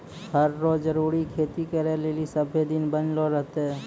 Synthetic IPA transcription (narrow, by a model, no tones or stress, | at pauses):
həɾːoːd͡ʒəɾuːɾikʰeːt̪ikəɾeleːlisəbʱed̪ɪnbənloɾəɦt̪ː